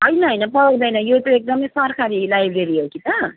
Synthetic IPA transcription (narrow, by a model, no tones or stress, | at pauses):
ʌjnaʌjnɐpʌwd̪ʌjnɐjoʈ̪eek̚d̪ʌmʌjsaɾkaɾilajbɾeɾijokit̪a